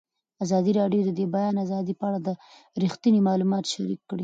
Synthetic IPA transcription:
azɑd̪iɾɑɖjod̪əd̪ebajɑnazɑd̪ipəaɽad̪ə | ɾixt̪inimɑlumɑt̪ʃaɾikːɽi

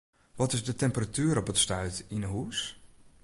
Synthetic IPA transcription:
ʋɔtɪzdətɛmpəratyːɾɔpətstœɥtinəɦus

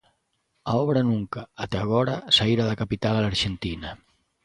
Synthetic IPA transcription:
aɔβɾanuŋkaːt̪eaɣ̞ɔɾasaiɾaðakapit̪alalaɾʒent̪ina

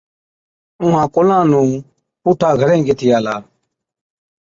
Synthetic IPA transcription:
ʊ̃ɦãːkʊlãːnũː | puːʈʰaːɡʱəɾẽːɡɪt̪ʰɪjaːlaː

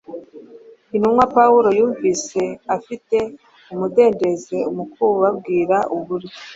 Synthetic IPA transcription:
inumwapawuɾo̞juːɱviːse̞afite̞ | umude̞ːnde̞ze̞umukuɾuβabɡiːɾaʔuβuɾi

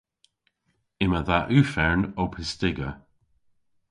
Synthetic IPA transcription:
ɪməðaʔʉːfɛɹnɔpʰɪstɪɡə

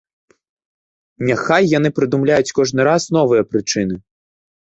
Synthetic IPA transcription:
nʲaxajːanɨpɾɨd̪umlʲajut͡sʲkɔʐnɨɾasnɔvɨjɐpɾɨt͡ʂɨn̪ɨ

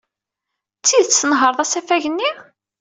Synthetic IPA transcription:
t͡sːiðt͡sːənɦəɾˤðˤæsæfæʝənːi

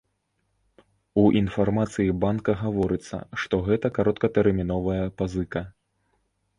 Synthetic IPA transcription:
uʔinfarmat̪sɨjibankɐɣavɔɾɨt̪sːɐ̰ʂt̪ɔɣɛt̪ɐkaɾɔt̪̚kɐt̪ɛɾmʲinɔvɐjɐpazɨkɐ

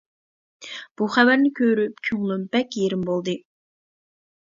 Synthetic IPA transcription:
b̥uχævæɾnɪkʲʰøɾypkʲʰyŋlˠumbɛkʲjeɾɪmbolˠd̪ɨ

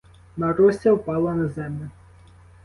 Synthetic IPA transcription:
nɐɾɔsʲɐwpɑlˠɐnɐzɛmlʲʊ

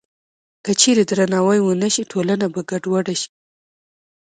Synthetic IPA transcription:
kət͡ʃeɾed̪ɾanɑwajwənaʃiʈʰolanabaɡaɖwaɽaʃi̥

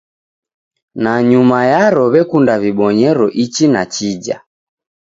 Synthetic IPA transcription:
naɲumajaɾɔβɛkundaβiɓɔɲɛɾɔʔit͡ʃinat͡ʃid͡ʒa̰

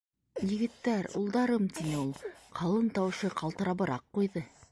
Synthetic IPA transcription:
jɘ̆ɡɘ̆t̪ːæɾṵlˠd̪ɑɾɤmt̪ʰinulˠqʰɑlˠɤnt̪ɑwɕɤqʰɑlˠt̪ɤ̆ɾɑbɤ̆ɾʔɑqːujðɤ

